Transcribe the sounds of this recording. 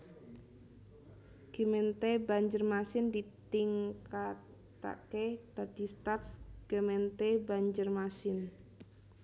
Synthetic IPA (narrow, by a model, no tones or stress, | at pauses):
ɡ̥əmɛnt̪ebaɲd͡ʒərmasɪndit̪iŋkat | t̪a̰ked̥adist̪art̪sɡ̥əmɛnt̪ebaɲd͡ʒərmasɪn